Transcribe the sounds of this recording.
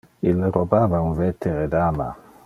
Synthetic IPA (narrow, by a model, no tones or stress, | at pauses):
ilːeɾobaːvauɱvɛt̪ʰːeɾed̪aːma̰